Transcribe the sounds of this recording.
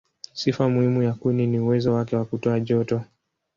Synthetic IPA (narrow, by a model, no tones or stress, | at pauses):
sifamuhimujakuniniuwɛzɔwakɛwakutɔaʄɔtɔ